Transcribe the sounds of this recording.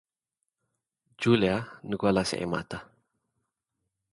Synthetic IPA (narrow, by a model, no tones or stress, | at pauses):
d͡ʒulianəɡualasɛ̰ʔḛma̰t̪a